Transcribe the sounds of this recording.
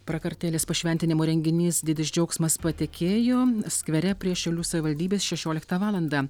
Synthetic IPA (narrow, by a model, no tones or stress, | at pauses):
pɾɐkɐɾʲt̪ʲeːlʲeːspɐʃʲʋʲɛnʲt̪ʲɪnʲɪmoːɾʲɛŋʲɡʲɪnʲiːsd̪ʲɪd̪ʲɪsd͡ʒʲɛʊksmɐspɐt̪ʲekʲeːjoːsʲkʋʲɛɾʲɛpʲɾʲiɛʃʲɛʊlʲuːsɐʋʲɪʋɐlʲd̪ʲiːbʲeːsʃʲɛʃʲoːlʲɪkt̪ɐʋɑːlˠɐnd̪ɑ